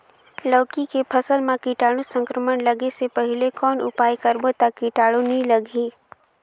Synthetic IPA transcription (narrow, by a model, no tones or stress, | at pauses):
lɔːkikepʰəsəlmãkiːʈaːɽusə̃ŋkɾəmənləɡesepɐɦɪlekɔːnʔʊ̰paːjkəɾbot̪akːiʈaːɭonĩləɡʱiː